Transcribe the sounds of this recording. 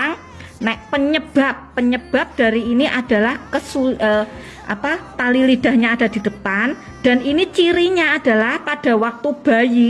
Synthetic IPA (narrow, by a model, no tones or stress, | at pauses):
aŋ | nɛʔpəɲəb̥apːəɲəb̥a̤p̚d̥aɾiiniʔad̥a̤lahkəsulə | ʔa̰pat̪alilid̥a̤hɲaːd̥a̤d̥i̤d̥əpan | d̥a̤ninit͡ʃiɾiɲaːd̥alahpad̥a̤wak̚t̪ub̥a̤ji